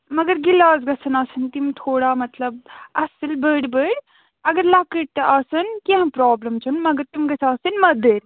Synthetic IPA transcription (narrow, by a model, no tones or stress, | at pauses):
mɐɡɐɾɡilaːzɡɐsʰɐnaːsɐnt̪imt̪ʰoːɽaːmɐt̪lɐb̚ɐsɨlbəːɽbəːɽ | ɐɡɐɾlakəʈ̚t̪ɐʔaːsɐnkiɦɐ̃mpɾɔːblɐmt͡ʃʰɐnmɐɡɐɾt̪imɡɐsʰaːsɐnmɐd̪əɾ